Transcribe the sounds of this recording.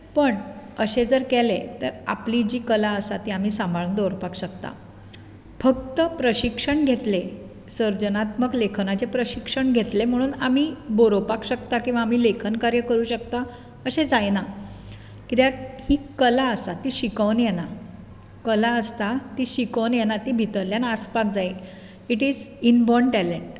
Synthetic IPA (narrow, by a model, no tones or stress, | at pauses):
pəɳəɕed͡zəɾkelet̪əɾa̰plid͡ʑiːkəlaəsat̪iːam̤iːsãmbʱaɭund̪oɾopakɕəkt̪a̰ | fəkt̪əpɾəɕikʂəɳɡʱet̪le | səɾd͡ʑənat̪məklekʰnat͡ɕepɾəɕikʂəɳɡʱet̪lem̤əɽ̃uːnam̤iːboɾopakɕəkt̪akĩw̃ʋaːm̤iːlekʰənkaɾjəkəɾuːɕəkt̪a | əɕed͡zajna | kit̪jahiːkəlaəsat̪iɕikəʋnjena | kəlaəst̪at̪iɕikəʋnjenat̪ibʱit̪əɾljanaspakd͡zaj | iʈiːd͡zinbɔɳʈɛleɳʈ